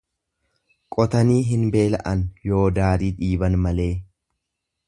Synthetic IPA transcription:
kʼɔt̪ɐniːɦɪnbe̞ːlɐ̰ʔɐnjo̞ːd̪aːɾiːᶑiːbɐnmɐle̞ː

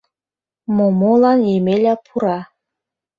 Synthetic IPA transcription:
momolɑnjemelʲæpʰuɾɑ

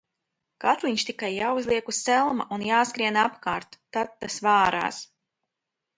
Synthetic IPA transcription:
kat̪liɲʃt̪ikajːauzlˠiɛkusɛlˠma̰ʔunjaːskɾiɛnapkaːɾt̪ːat̪̚t̪ːasvaːɾa̰ːs

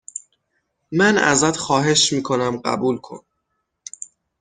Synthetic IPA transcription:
mænæ̰zæt̪xɒːɦe̞ʃmiːkʰo̞næmɢæ̰buːlkʰo̞̰n

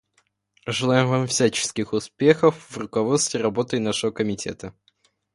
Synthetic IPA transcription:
ʐɨlˠajʊvamfsʲæt͡ɕɪ̥skʲɪxʊspʲe̞xəfvrʊkɐvot̪st̪vʲɪɾɐbo̞t̪əjnaʂəvəkəmʲɪtʲʰe̞̰t̪ə

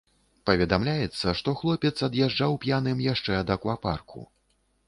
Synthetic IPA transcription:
pɐvʲɛd̪amlʲajɛt̪sːɐʂt̪ɔxlˠɔpʲɛt̪sɐd̪jaʐd͡ʐawpʲjanɨmjaʂt͡ʂɛɐd̪akuapa̰rkʰṵ

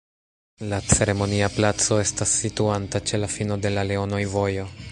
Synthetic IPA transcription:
lat͡se̞ɾe̞mo̞niaplat͡so̞e̞stasːituantat͡ʃe̞lafino̞de̞lale̞ono̞jvo̞jo̞

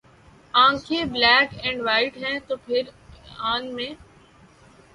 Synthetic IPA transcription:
ãːŋkʰeblɛːkɛ̃ːɳɖʋaːɪʈɦɛ̃t̪oːpʰɪɾaːnmẽː

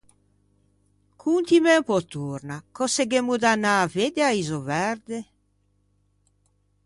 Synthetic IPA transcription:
kʰunt̪imɛmpɔt̪uɾnakɔseɡemud̪anaːved̪eaizovɛɾd̪e

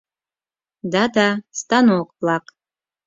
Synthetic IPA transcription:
d̪ad̪ast̪anokʼlˠakʼ

